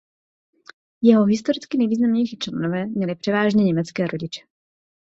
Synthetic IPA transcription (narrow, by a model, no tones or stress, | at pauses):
jɛɦo̞ɦɪst̪o̞ɾɪt͡skɪnɛjviːznamɲɛjʃɪt͡ʃlɛdnovɛːmɲɛlɪpr̝̥ɛvaːʒɲɛɲɛmɛt͡skɛːɾo̞ɟɪt͡ʃɛ̥